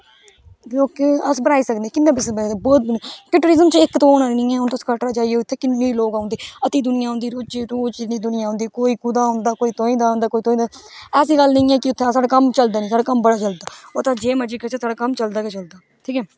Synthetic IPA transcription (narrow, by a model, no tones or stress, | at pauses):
loːkəsbənaːiːsəkd̪eːkɪnːaːbɪsbəːd̪aːbɔːt̪̚bʊnikɪʈəɾɪzəmt͡ʃɪkt̪õːnaːnɪ̃ːɛ̃ːɦʊnt̪oːskəʈɾaːt͡ʃaːieːʊt̪ʰːeːkɪnːẽːloːkaːʊ̃nd̪eːət̪iːd̪ʊnɪjãːɦʊ̃nd̪iːɾoːt͡ʃiːɾoːt͡ʃinĩːd̪ʊnɪjaːõːnd̪iːkoːiːkʊd̪aːɦʊ̃nd̪aːkoːiːt̪õːĩːd̪aːõːnd̪aːkoːiːt̪õːĩːd̪aːɛːsiːɡəlnɪĩːɛːkɪʊt̪ʰːesaːɽaːkəmt͡ʃəld̪aːnĩːsaːɽaːkəmbəɽaːt͡ʃəld̪aːoːt̪ãːd͡ʒeːməd͡ʒiːkət͡ʃeːsaːɽaːkəmt͡ʃəld̪aːket͡ʃəld̪aː | ʈʰiːkɛː